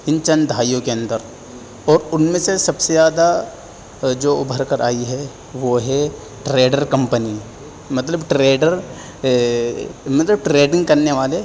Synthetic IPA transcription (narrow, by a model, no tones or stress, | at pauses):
ɪ̃ɲt͡ʃənd̪ʱaːijõkeɐ̃nd̪əɾ | ɔːɾʊnmẽsesɐbsezjaːd̪a | d͡ʒoːʊbʱəɾkəɾʔa̰ːiɦɛ | ʋoɦɛ | ʈɾeːɖəɾkɐ̃mpəni | mɐt̪̬ləbʈɾeːɖəɾ | mɐt̪ləb̚ʈɾeːɖɪ̃ŋɡ̚kɐɾneʋaːle